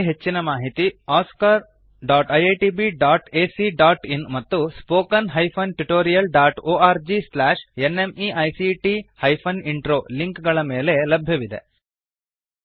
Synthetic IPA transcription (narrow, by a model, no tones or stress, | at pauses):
ɦet͡ʃːinɐmaːɦit̪iaːskaɾ | ɖaːʈɐjeʈiːbiɖaːʈeːsiɖaːʈinmɐt̪ːuspoːkɐnɦɐjpʰɐnʈuʈoːɾijɐlɖaːʈoːaːɾd͡ʒislaːʂene̞miɐjsiʈihɐjpʰɐniɳʈɾoːliŋkɡɐɭɐmeːle̞lɐbʱjɐʋid̪e̞̰